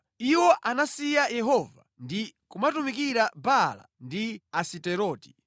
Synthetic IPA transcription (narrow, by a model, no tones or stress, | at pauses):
iwɔʔanasijajɛɦɔva | ndikumatumikiɾabala̰ndiasitɛɾɔːti̥